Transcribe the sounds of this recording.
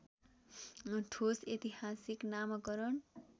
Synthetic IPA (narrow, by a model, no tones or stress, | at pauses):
ʈʰoset̪iɦasiknamʌkʌɾʌn